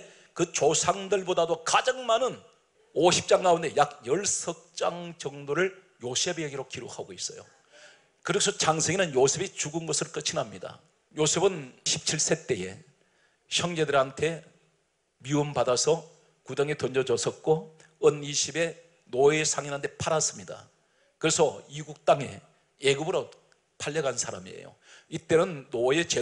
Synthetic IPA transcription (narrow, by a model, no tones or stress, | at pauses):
kɯt͡ɕosʰaŋdɯɭbodadokad͡ʑaŋmanɯn | oɕʰip̚t͡ɕ͈aŋɡaunde̞jakjʌɭsʰʌk̚t͡ɕ͈aŋt͡ɕʌŋdoɾɯɭ | josʰe̞beɡiɾokiɾokʰaɡois͈ʌ̰jo̰ | kɯɾisʰʌt͡ɕaŋsʰeŋinɯnjosʰe̞bit͡ɕuɡɯnɡʌsʰɯɾok͈ɯt͡ɕʰinamɲida̰ | josʰe̞bɯnɕʰi̥p̚t͡ɕʰiɭs͈e̞t͈e̞je̞̰ | çʰjʌŋd͡ʑedɯɾantʰe̞ | miɯmpadasʰʌ | kudaŋe̞tʌnd͡ʑʌd͡ʑʌsʰʌt̚k͈o | ʌniɕʰibe̞ | noesʰaŋinɦantʰe̞pʰaɾas͈ɯmɲida̰ | kɯɾe̞sʰʌiɡuk̚t͈aŋe̞̰ | eɡɯbɯɾo | pʰaʎːʌɡansʰaɾa̰miḛjo̰ | it͈e̞nɯnːoet͡ɕe